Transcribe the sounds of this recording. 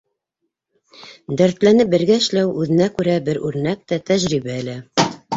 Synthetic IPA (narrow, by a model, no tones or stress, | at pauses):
d̪æɾt̪lænɘp̚bɘ̆ɾɡæɘ̆ʃlæwʉðɘ̆nækʉɾæbɘɾʉɾnæk̚t̪æt̪æʒɾiβæɘ̆lɘ